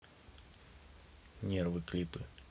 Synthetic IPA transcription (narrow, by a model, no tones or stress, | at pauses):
nʲervɨklʲipɨ